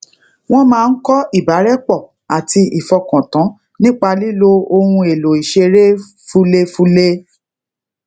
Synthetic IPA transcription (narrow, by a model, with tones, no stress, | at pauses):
w̃ɔ̃˦mãː˦n̩˦kɔ˦ʔi˦˨ba˨˦ɾɛ˦k͡pɔ˦˨ | a˨ti˧i˨fɔ˧kɔ̃˨tã˨˦ | nĩ˦k͡pa˧li˦lo˦o˧hũ˧e˨lo˨i˨ʃe˧ɾe˦ | fu˦le˦fũ˦le˦